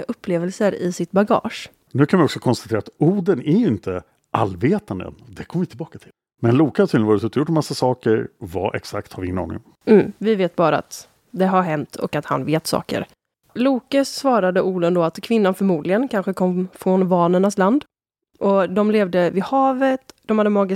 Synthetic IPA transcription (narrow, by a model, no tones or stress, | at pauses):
aʔɵpʰːleːvəlsəɾɪ̰sɪt̪baɡɑ̰ːʂ | nʉ̟ːkʰanvɪɔksɔkʰɔnst̪at̪ʰeːɾat̪uːɖ̪ənæɾjɵɪnt̪ʰə | ʔa̰lveːt̪and̪ə̰nd̪ɛkʰɔmːəvɪt̪ʰɪlbɑːkat̪ʰɪl | mɛnluːkahaɾt̪ʰiːɪnvɑɾt̪ɵt̪əjʊʈːɔmasːasɑːkəɾva̰ʔɛ̰ksak̚t̪haɾvɪɪŋːənɑ̰ːnɪ̰ŋ | m̩ːvɪveːt̪̚bɑːɾaa̰t̪ | d̪ɛɦaɾɦɛmt̪ʰɔ̰kat̪ha̰nveːt̪sɑ̰ːkə̰ɾ | luːkəsvɑːɾad̪əʔuːlənd̪oːat̪kʰvɪnːanfœɾmuːd̪lɪɡənkʰanɧəkʰɔmfɾɔnvɑːnənasland̪ | ʔɔd̪ɔmleːvd̪əvɪhɑːvət̪d̪̥ɔmhad̪ːəmɑːɡɪ